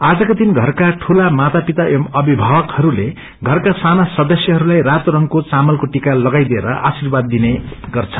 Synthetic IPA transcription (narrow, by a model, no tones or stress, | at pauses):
ad͡zʌkot̪inɡʱʌrkaʈʰulamat̪apit̪aʔemʌbibʱabʌkhʌɾule | ɡʱʌrkasanasʌd̪ʌsjʌɦʌɾulajrat̪rʌŋkot͡samʌlkoʈikalʌɡajd̪ieɾʌ̰ʔa̰sirbad̪ːineɡ̥ʌrt͡sʰʌ